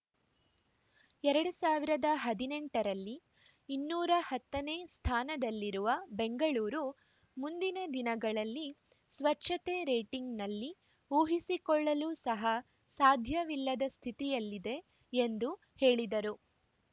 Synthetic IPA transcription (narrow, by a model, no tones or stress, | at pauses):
ɛɾɐɽusaːʋiɾɐd̪ɐɦɐd̪ineɳʈɐɾɐlːi | inːuːɾɐhɐt̪ːɐneːst̪ʰaːnɐd̪ɐlːiɾuʋɐbeŋɡɐɭuːɾu | mund̪inɐd̪inɐɡɐɭɐlːi | sʋɐtʃɐt̪eɾeːʈiŋɡnɐlːi | uːɦisikɔɭːɐluːsɐɦɐ | saːd̪ʱjɐʋilːɐd̪ɐst̪ʰit̪ijɐlːid̪e̞ː | nd̪u | he̞ːɭid̪ɐɾu